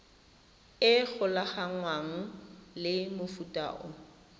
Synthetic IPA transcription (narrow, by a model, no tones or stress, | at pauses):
ɪk͡xʰʊlaχaŋwaŋ̩lɪmʊfutʼa̰ːʔɔ